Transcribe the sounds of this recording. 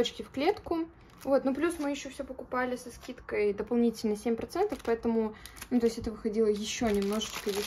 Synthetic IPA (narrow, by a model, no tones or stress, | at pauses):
ot͡ɕkʲɪfklʲe̞t̪kʊ | vo̞t̪nuplʲusmɨjɪɕːofsʲopəkʊpalʲɪsɐskʲit̪kəjd̪əpɐlˠnʲitʲɪlʲnəsʲemʲpɾɐt̪sɛnt̪əfpɐɛt̪əmʊnut̪o̞ɪsʲtʲɛt̪əvɨxɐdʲilˠəjɪɕːonʲɪmno̞ʐɨt͡ɕkəjʲɪ